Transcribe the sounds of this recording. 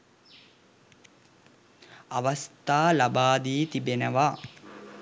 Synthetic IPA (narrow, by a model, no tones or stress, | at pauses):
aʋast̪aːlabaːd̪iːt̪ibenəʋa